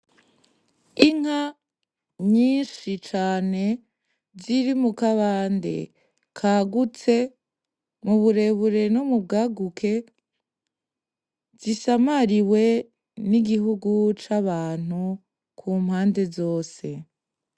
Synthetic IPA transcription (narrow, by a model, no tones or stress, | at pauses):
iŋ̥a | ɲiːnʃit͡ʃaːne̞ | ziɾimukaβaːnde̞̰ | kʰaːɡut͡se̞ | muβuɾe̞βuɾe̞numub̚ɡaːɡukʰe̞ | z̥isamaɾiwe̞ | niɡiɦuɡut͡ʃaβaːn̥u | kʰuːm̥haːnde̞zo̞ːse̞